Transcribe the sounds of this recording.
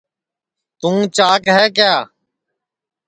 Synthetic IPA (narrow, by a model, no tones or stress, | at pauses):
t̪ũːt͡ʃaːkɦɛːkjaː